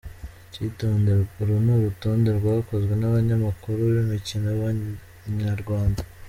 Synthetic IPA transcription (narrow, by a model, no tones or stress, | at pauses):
citoːndeuɾunuβutoːnde̞ɾɡwaβako̞zɡwe̞naβaɲamakuɾuβimicinoβa | ɲaɾɡwaːnda